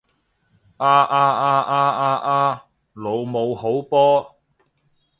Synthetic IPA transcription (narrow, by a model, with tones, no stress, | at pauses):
ʔaː˧ʔaː˧ʔaː˧ʔaː˥ʔaː˧ʔaː˧ | lo˨˧wmo˨˧who˨˥wpɔː˥